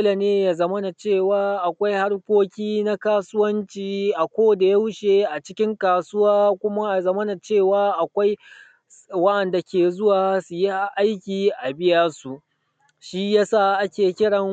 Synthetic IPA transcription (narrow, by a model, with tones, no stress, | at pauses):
la˨neː˦ja˨zɐ˦mɐ˦na˨t͡ʃeː˦˨waː˦ʔa˨kʷa˦jha˦ɽkʷoː˦kʲiː˦na˦kaː˦sʊ˦wɐ˦nt͡ʃiː˨ʔa˨kʷoː˦da˨ja˦wʃeː˨ʔa˨t͡ʃɪ˦kʲɪ˦ŋkaː˨sʊ˦waː˦kʷʊ˦ma˦a˨zɐ˦mɐ˦na˨t͡ʃeː˦˨waː˦ʔa˨kʷa˦j | wɐ˦ʔɐ˨nda˨kʲeː˨zʊ˦waː˨su˨ji˦ʔa˦jkʲiː˨ʔa˨bɪ˦jɐ˦su˨ʔ | ʃi˦jaː˦sa˦˨ʔa˦kʲeː˨kʲɪ˦ɽɐ˨ŋ